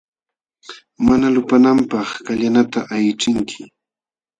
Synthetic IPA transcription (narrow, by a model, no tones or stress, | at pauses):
manalʊpanampɑχkaʎanat̪aʔajt͡ʃɪŋkʰɪ